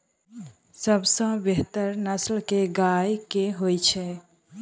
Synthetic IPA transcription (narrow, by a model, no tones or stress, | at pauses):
səbsə̃beɦt̪əɾnəslkeɡajkeɦojt͡ʃʰɛ